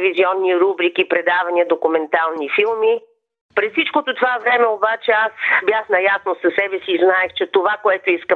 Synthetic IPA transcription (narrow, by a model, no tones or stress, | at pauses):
viziɔnːiɾubɾikipɾɛd̪avɐniəd̪okumɛnt̪alˠnifilˠmi | pɾɛssit͡ʃkot̪ot̪ovavɾɛmɛobat͡ʃɛasbjaxnɐjasnosɐsɛbɛsiːznaɛxt͡ʃɛt̪ovakoɛt̪oiskə